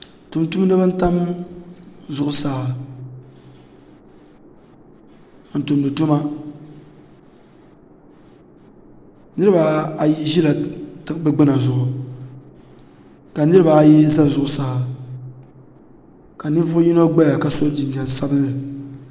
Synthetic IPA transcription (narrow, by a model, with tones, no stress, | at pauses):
tu˨mtu˦m˦nɨ˦bɨ˦n˦ta˦m | zʊ˦ʔʊ˦saː˦˨˦ | n̩˨tu˨mnɨ˨tʊ˦ma˦ | nɨ˦ɾɨ˦ba˨a˨ji˦ʒi˦la˨tɨ˦kbɨ˦ɡ͡bɨ˦na˨zʊ˨ʔʊ˨ | ka˨nɨ˦ɾɨ˦ba˨a˨ji˦za˦zʊ˦ʔʊ˦saː˦˨ | ka˨nɨ˦vʊ˦ʊ˦ji˦no˦ɡ͡ba˦ja˨ka˨so˦di˨ɲa˨sa˦bɨ˦n˦lɨ˨